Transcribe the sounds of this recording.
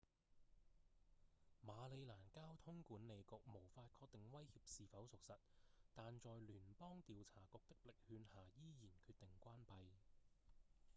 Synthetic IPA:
maː˨˧le˨˧jlaː˨˩nkaː˥wt̪ʰʊ˥ŋkuː˨˥nne˨˧jkʊ˨k̚mo˨˩wfaː˧t̚kʰɔː˧k̚t̪ɪ˨ŋwɐ˥jhiː˧p̚siː˨fɐ˨˥wsʊ˨k̚sɐ˨t̚t̪aː˨nt͡ʃɔː˨jlyː˨˩npɔː˥ŋt̪iː˨wt͡sʰaː˨˩kʊ˨k̚t̪ɪ˥k̚lɪ˨k̚hyː˧nhaː˨˩jiː˥jiː˨˩nkʰyː˧t̪̚ɪ˨ŋkʷaː˥npɐ˧j

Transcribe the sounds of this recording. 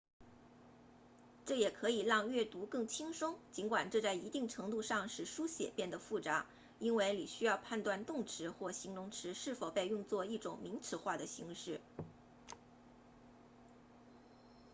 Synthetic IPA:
ʈ͡ʂɤ˥˩jɛ˨˩kʰɤ˧˥i˨˩lɑ˥˧ŋɥɛ˥˩t̪u˧˥kɤ˥˩ŋt͡ɕʰi˥ŋʂʊ˥ŋt͡ɕi˧˥nkwa˨˩nʈ͡ʂɤ˥˧t͡sa˥˩ɪi˧˥t̪i˥˩ŋʈ͡ʂʰɤ˧˥ŋt̪u˥˧ʂɑ˥˧ŋʂɻ̩˥˩ʂu˥ɕjɛ̰˨˩pjɛ˥˩nd̪ə˩fu˥˩t͡sa˧˥ | i˥nwe˥˩ɪni˨˩ɕy˥jɑ˥˧ʊpʰa˥˧nt̪wa˥˧nt̪ʊ˥˩ŋʈ͡ʂʰɻ̩˧˥xwɔ˥˩ɕi˧˥ŋlʊ˧˥ŋʈ͡ʂʰɻ̩˧˥ʂɻ̩˥˩fo˨˩ʊpe˥˧ɪjʊ˥˧ŋt͡swɔ˥˧i˥˩ʈ͡ʂʊ˨˩ŋmi˧˥ŋʈ͡ʂʰɻ̩˨˩xwa˥˩d̪ə˩ɕi˧˥ŋʂɻ̩˥˩

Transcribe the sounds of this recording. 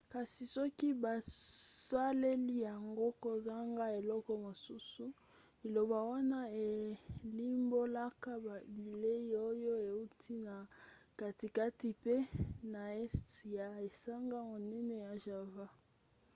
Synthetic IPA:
ka˨si˨sɔ˦ki˦ba˨sa˦le˦li˦ja˨ŋɡo˦ko˨za˦ŋɡa˦e˨lɔ˦kɔ˦mo˨su˦su˨ | li˨lo˨ba˨wa˦na˦e˨li˦mbo˦la˦ka˦ba˨bi˨le˦i˦o˦jo˦e˨u˦tʰi˦na˨ka˨ti˨ka˦ti˨pe˦na˨ɛ˦stja˨e˨sa˦ŋɡa˦mo˨nɛ˦nɛ˨ja˨ʒa˨va˦

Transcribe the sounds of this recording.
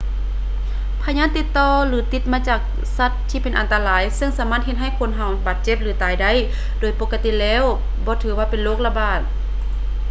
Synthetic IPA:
pʰaː˧ɲaː˧˥˨nt̪i˧t̪ːɔː˧˩lɯː˨˦t̪i˧˥˩t̪̚maː˧˥t͡ɕaː˨˩k̚ | sa˧˩t̪̚ʰːiː˧˩pe˨nʔa˨nt̪a˧laː˨˦jsɤ˧˨ŋsaː˨˦maː˧˥˩t̪̚he˧t̪̚ɦa˧˩jkʰo˧˥˨nɦa˨˧˩wbaː˨˧˩t̪̚t͡ɕe˧˥p̚lɯː˨˦t̪aː˨˩jda˧˥˨j | doː˨˩jpo˧˥kːa˧t̪i˧˨lɛː˧˥˨w | bɔː˧˦t̪ʰɯː˨˦waː˧pe˨nloː˧˥˨k̚la˧baː˧˩t̪̚

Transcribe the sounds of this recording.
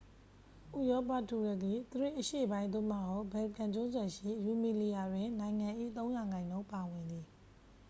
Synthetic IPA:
ʔu˨jɔ˦pa̰˦˨tu˨ɾə˨d̪i˨t̪ʊ˨dɪ̃˦˨ʔəʃḛ˦˨əbã˦ɪ̃nd̪o̰˦˨mə˨ho˦˨ʔbɛ˨lkã˨t͡ɕʊ̃˦zwɛ˨ʃḭ˦˨ɹu˨mi˨li˨ja˨dwɪ̃˨nã˨ɪ̃ŋã˨ʔḭ˦˨t̪̬õ˦ʊ̃ja˨ɡã˨ɪ̃ndõ˦pa˨wɪ̃˨nd̪i˨

